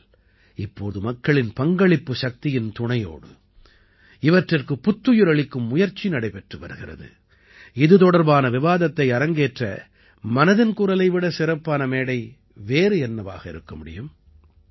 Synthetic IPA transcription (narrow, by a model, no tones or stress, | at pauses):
ɪpːoːðɯmɐkːɐɭɪnpɐŋɡɐɭɪpːɯʃɐk̚t̪ɪjɪnt̪ʊɳɐjo̰ːɽɯ̰ | ɪʋɐʈrɪrkɯpːʊt̪ːɯjɯɾɐɭɪkːɯmːʊjɐɾt͡ʃːinɐɽɐɪpɛʈrɯʋɐ̰ɾɯɣɪrɐ̰ðɯ̰ | ɪðɯt̪ɔɽɐɾbaːnɐʋɪʋaːðɐt̪ːɐɪɐɾɐŋɡeːʈrɐ̰ | mɐnɐðɪnkuːɾɐlɐɪʋɪɽɐsɪɾɐpːaːnɐmeːɽɐɪ | ʋeːɾɯɛnːɐʋa̰ːɣɐɪ̰ɾɯkːɐmʊɽɪ̰jɯm